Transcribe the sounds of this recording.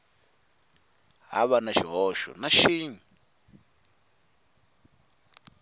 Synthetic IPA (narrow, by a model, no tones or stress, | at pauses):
ɦa̰βanaʃiɦɔʃɔ̰naʃiːɲi